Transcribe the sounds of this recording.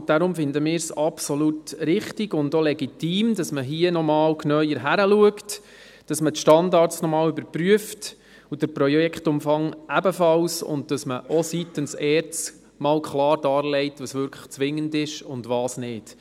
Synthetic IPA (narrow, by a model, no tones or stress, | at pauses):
d̥aɾʊmfɪndəmɪːɾsɑpsolutɾɪχtiɡʊndolɛɡitiːmdɑsməɦiənɔmɑːlknœʏəɾɦæɾəluəkt | d̥ɑsmətʃtɑndɑːɾtt͡snɔmɑːlybəɾpɾyəft | ud̥əɾpɾɔjɛkχtʊmfɑŋʔæbəfɑlsʊ̰nd̚d̥ɑsməʔɔsitənsɛːɾt͡s | mɑːlkʰlɑːɾdɑːɾlɛɪtʋɑsʋʏɾkʰlə̥χt͡sʋɪŋːəndɪʃʊndʋɑːsnɪːd̥